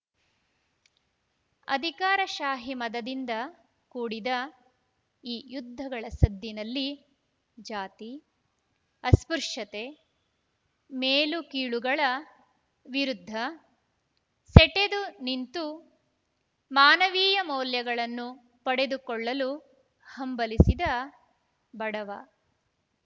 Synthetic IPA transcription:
ɐ̰d̪ʱikaːɾɐʃaːɦimɐd̪ɐd̪ind̪ɐ | kuːɽid̪ɐ | iːjud̪ʱːɐɡɐɭɐsɐd̪ːinɐlːi | d͡ʒaːt̪i | ɐspuɾʂɐt̪e̞ | meːlukiːɭuɡɐɭɐ | ʋiɾud̪ʱːɐ | sɛʈed̪unint̪u | maːnɐʋiːjɐmɔːljɐɡɐɭɐnːu | pɐɽe̞d̪ukɔɭːɐlu | hɐmbɐlisid̪ɐ | bɐɽɐʋɐ

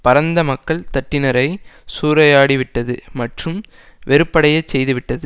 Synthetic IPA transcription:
pɐɾɐnd̪ɐmɐkːɐɭt̪ɐʈːɪnɐɾɐɪsuːɾɐjaːɽiʋɪʈːɐðɯmɐʈrɯm | ʋɛɾɯpːɐɽɐjɐt͡ʃsɛjðɯʋɪʈːɐðɯ

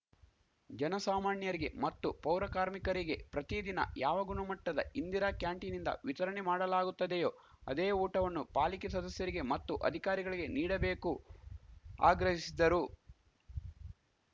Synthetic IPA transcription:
d͡ʒɐnɐsaːmaːɳjɐɾiɡe̞̰mɐt̪ːupɐwɾɐkaːɾmikɐɾiɡe̞pɾɐt̪id̪inɐ̰jaːʋɐɡunɐmɐʈːɐd̪ɐ̰ind̪iɾakjaːɳʈinind̪ɐ̰ʋit̪ɐɾɐɳemaːɽɐlaːɡut̪ːɐd̪ejo̞ː | ɐd̪eːuːʈɐʋɐnːupaːlikesɐd̪ɐsjɐɾiɡe̞mɐt̪ːuʔɐ̰d̪ʱikaːɾiɡɐɭiɡe̞niːɽɐbe̞ːku | a̰ːɡɾɐɦisid̪ɐɾu

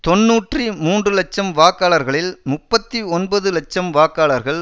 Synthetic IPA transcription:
t̪ɔnːuːʈrimuːndrɯlɐt͡ʃːɐmʋaːkaːɭɐɾɣɐɭɪlmʊpːɐt̪ːiɔnbɐðɯlɐt͡ʃːɐmʋaːkːaːɭɐɾɣɐɭ

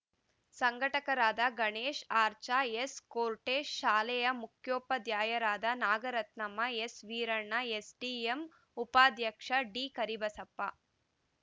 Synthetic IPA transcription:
sɐŋɡʱɐʈɐkɐɾaːd̪ɐɡɐɳeːʃaːɾt͡ʃaeskoːɾʈeːʃaːlɛjɐmukʰjoːpɐd̪jaːjɐɾaːd̪ɐnaːɡɐɾɐt̪nɐmɐesʋiːɾɐɳːɐesɖiːem | upaːd̪jɐkʂɐɖiːkɐɾibɐsɐpːɐ̰

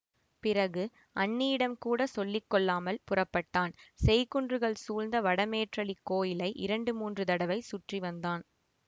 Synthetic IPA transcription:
pɪrɐɣɯ | ʔɐɳːijɪɽɐmkuːɽɐsɔlːɪkːɔɭːaːmɐlpʊrɐpːɐʈːaːnsɛjkʊɳdrɯɣɐɭsuːlnd̪ɐʋɐɽɐmeːʈrɐɭɪkːoːjɪlɐɪʔɪɾɐɳɖɯmuːndrɯt̪ɐɽɐʋɐɪsʊʈriʋɐnd̪aːn

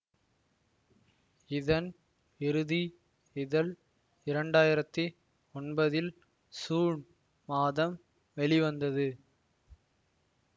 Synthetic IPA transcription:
ɪðɐn | ɪɾɯði | ɪðɐl | ɪɾɐɳɖaːjɪɾɐt̪ːɯ | ɔnbɐðɪl | suːɳ | maːðɐm | ʋɛɭɪʋɐnd̪ɐðɯ

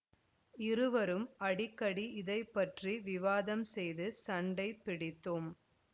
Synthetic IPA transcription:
ɪɾɯʋɐɾɯmɐɽɪkːɐɽiɪðɐɪpːɐʈriʋɪʋaːðɐmsɛjðɯsɐɳɖɐɪpːɪɽɪt̪ːɯm

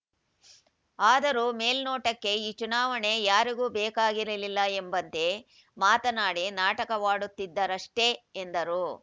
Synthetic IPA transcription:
aːd̪ɐɾuːme̞ːlnoːʈɐkːe̞iːt͡ʃunaːʋɐɳe̞jaːɾiɡuːbɛːkaːɡiɾɐlilːɐembɐnt̪e̞ | maːt̪ɐnaːɽenaːʈɐkɐʋaːɽut̪ːid̪ːɐɾɐʂʈe̞ːnd̪ɐɾu

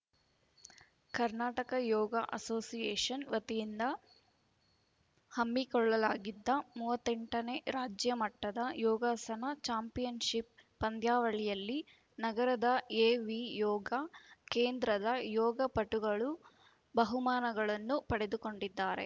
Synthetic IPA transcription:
kɐɾnaːʈɐkɐjɔːɡɐʔɐ̰soːsijeːʂɐnʋɐt̪ijind̪ɐ | hɐmːikɔɭːɐlaːɡid̪ːɐmuːʋɐt̪ːɛɳʈɐneɾaːd͡ʒjɐmɐʈːɐd̪ɐjɔːɡaːsɐnɐt͡ʃaːmpijɐnʃipː | ɐnd̪ʱjaːʋɐɭijɐlːi | nɐɡɐɾɐd̪ɐeːʋijɔːɡɐkeːnd̪ɾɐd̪ɐjɔːɡɐpɐʈuɡɐɭu | bɐɦumaːnɐɡɐɭɐnːupɐɽe̞d̪uko̞ɳɖid̪ːaːɾe̞̰

